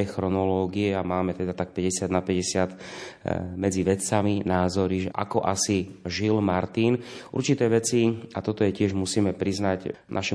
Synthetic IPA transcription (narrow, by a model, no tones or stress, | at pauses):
ɛxɾɔnɔlɔːɡiɛamaːmɛt̪ɛd̪at̪ak̚pɛɟɛsɪad̪napɛɟɛsɪat̪ | mɛd͡ziʋɛt͡saminaːzɔɾiʒɛʔa̰kɔʔasiʒilmaɾt̪iːnʔṵɾt͡ʃit̪ɛːʋɛt͡siat̪ɔt̪ɔjɛcɪɛʒmusiːmɛpɾiznaɟna̰ʃɛ